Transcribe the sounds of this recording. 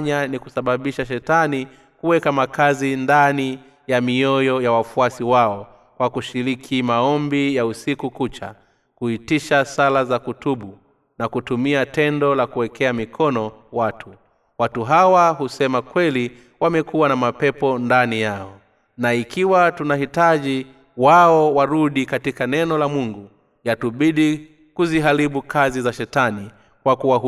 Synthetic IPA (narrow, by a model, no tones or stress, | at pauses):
ɲanikusaɓaɓiʃaʃ̬ɛtani | kuwɛkamakazindani | jamiɔjɔjawafuasiwaɔ | kwakuʃiɾikʰimaɔmbijausikukut͡ʃa̰ | kuitiʃasalazakutuɓu | nakutumiatɛndɔlakuwɛkʰɛamikʰɔnɔwatʰu | watuɦawaɦusɛmakwɛli | wamɛkuwanamapɛpɔndanijaɔ | naikiwatunahitaʄi | waɔwaɾuɗikatikanɛnɔlamuŋɡu | jatuɓiɗi | kuziɦaɾiɓukʰazizaʃɛtani | kwakuwa